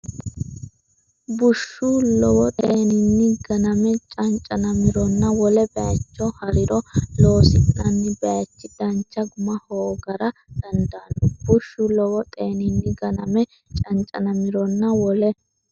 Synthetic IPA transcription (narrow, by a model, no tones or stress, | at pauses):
bʊʃːʊlɔwɔt̪ʼeːnɪnːɪɡɐnɐmɛt͡ʃʼɐnt͡ʃʼɐnɐmɪɾɔnːɐwɔlɛbɛɐt͡ʃːɔhɐɾɪɾɔloːsɪnnɐnːɪbɛɐt͡ʃːɪd̪ɐnt͡ʃːɐɡʊmɐhoːɡɐɾɐd̪̥ɐnd̪aːnːʊb̥ʊʃːʊlɔwɔt̪ʼeːnɪnːɪɡɐnɐmɛ | t͡ʃʼɐnt͡ʃʼɐ̰nɐmɪɾɔnːɐwɔlɛ